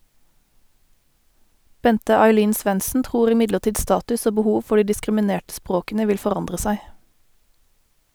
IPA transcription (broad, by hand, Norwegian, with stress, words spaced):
ˈbɛntə ɑɪˈliːn ˈsʋɛnsn̩ ˈtʁuːʁ ɪˈmɪdləˌʈiːd ˈstɑːtʉs ˈoː bəˈhuːʋ ˈfɔ ˈɖiː dɪskʁɪməˈneːʈ ˈspʁoːkn̩ə ˈʋɪl fɔˈʁɑndʁə ˈsæɪ